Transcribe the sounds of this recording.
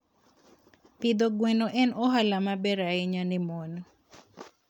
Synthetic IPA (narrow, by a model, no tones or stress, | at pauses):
pid̪oɡwɛnoʔɛnɔɦalamabɛɾaɪɲanɪmɔnɔ